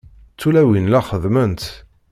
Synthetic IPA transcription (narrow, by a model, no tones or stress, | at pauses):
t͡sːulæwinlæχəðmənt̪